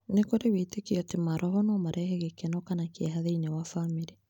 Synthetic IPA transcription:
nekoɾewetekiɔtemaɾʔɔɦɔnɔmaɾʔɛhɛɣekenɔkanakeɛɦaðeinewafamiɾi

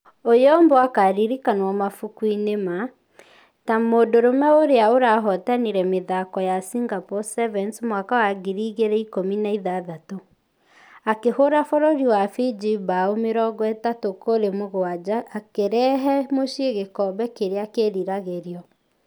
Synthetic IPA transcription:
ojɔmbɔakaɾiɾikanwɔmafukwinema | tamoːdoɾomɛoɾeaoɾaɦɔtaniɾɛmeðakɔjasiŋɡapɔsɛvɛnsmwakawaɡiɾiɣeɾɛikominaiðaðato | akehoɾafɔɾoɾiwafid͡ʒibaomeɾɔɣwɛtatokoɾemoɣoad͡ʒaʔːkeɾɛɦɛmoʃeɣekɔβɛkeɾeakeɾiɾaɣeɾiɔ

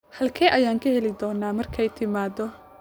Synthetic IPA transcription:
hɐlkʰɛːʔɐjaːŋkʰɐhɛlɪd̪ɔːnːaːmɐrkʰɛjt̪ʰɪmaːd̪ɔ

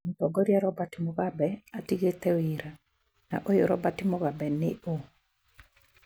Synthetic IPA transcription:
mutɔɡɔɾjaɾɔbatɪmoɡabɛatiɡet̪ɛwɪɾa | na̰ʔojoɾɔ̰batɪmoɡabɛnɪʔo

